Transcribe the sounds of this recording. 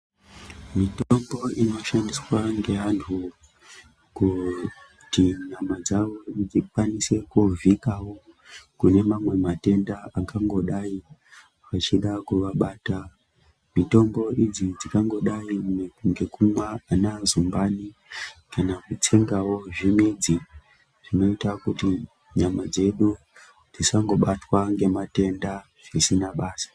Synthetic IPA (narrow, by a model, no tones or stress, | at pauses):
mitombo̞ino̞ʃandiswaŋɡe̞ʋantʰu | ku | tiɲamad͡zaʋo̞id͡zikwanise̞kuvʱikawo̞ | kune̞mamwe̞mate̞ndaakaŋɡo̞ɗai | ʋat͡ʃiɗakuʋaɓaːta | mito̞mbo̞ʔid͡zid͡zikaŋɡo̞ɗaiŋɡe̞kumwaːnazumbanikanakut͡se̞ŋɡawo̞ʐimid͡zi | ʐ̥ino̞itakuti | ɲamad͡ze̞ɗu | d͡zisaŋɡo̞ɓatwaŋɡe̞mate̞nda | ʐ̥isinaɓaːsḁ